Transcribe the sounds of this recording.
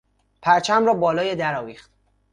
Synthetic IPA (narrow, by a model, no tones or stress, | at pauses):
pʰæɾt͡ʃʰæmrɒːbɒːlɒːjed̪æɾɒːviːχt̪